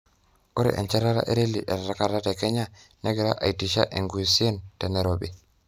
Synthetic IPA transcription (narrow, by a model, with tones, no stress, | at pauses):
o˦ɾḭ˨ʔḛ˨nt͡ʃe˦ɾa˦ɾa̰˦ʔe˦ɾe˦li˨ʔe˨ɾɾa˦ka˦˨ta˦te˨ke˦ɲa˦ | ne˦ɡe˨ɾa˦ʔa̰˨i˨ti˨ʃa˦ʔe˨ŋɡu˨i˨si˦e˦nte˨ne˨ɾo˨bḭ˦˨